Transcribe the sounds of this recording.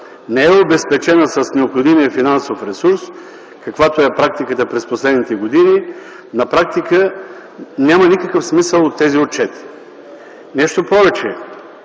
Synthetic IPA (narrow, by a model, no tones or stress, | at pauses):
nɛɛobɛspɛt͡ʃɛnəsɐsnɛopxod̪imiəfinansofɾɛsuɾs | kɐkvat̪oɛpɾak̚t̪ikət̪əpɾɛsposlɛd̪nit̪ɛɡod̪ini | nɐpɾak̚t̪ikə | nʲamənikəkəfsmisəlˠot̪ːɛziot̪̚t͡ʃɛt̪ | nɛʃt̪opɔvɛt͡ʃɛ